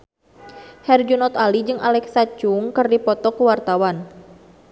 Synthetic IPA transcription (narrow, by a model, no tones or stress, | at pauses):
hɛrd͡ʒunɔt̪alid͡ʒɨŋʔa̰lɛksat͡ʃuŋkɨrdipɔt̪ɔkuwart̪awan